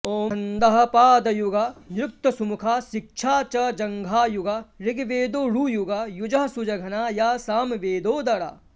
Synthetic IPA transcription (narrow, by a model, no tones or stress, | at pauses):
oːɐnd̪ɐɦɐ̆paːd̪ɐjuɡaːnɾʊk̚t̪ɐsumukʰaːsɪk̚ʃʰaːt͡ʃɐd͡ʒɐŋɡʱaːjuɡaɾɪɡʋeːd̪oːɾuːjuɡaːjud͡ʒɐɦɐsud͡ʒɐɡʱɐnaːjaːsaːmʋeːd̪oːd̪ɐɽa̰ː